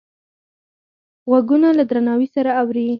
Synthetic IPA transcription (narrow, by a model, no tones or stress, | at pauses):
ɣwaɡunalad̪ɾanɑwisaɾaːwɾi